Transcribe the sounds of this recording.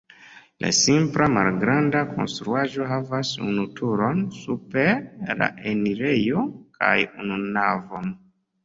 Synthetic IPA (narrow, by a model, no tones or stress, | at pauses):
lʔa̰simplama̰lɡɾandakʰo̞̰nstɾuaʒo̞ɦavasṵnutʰuɾo̞nsupe̞ɾla̰ʔeniɾe̞jo̞kʰa̰jununavo̞n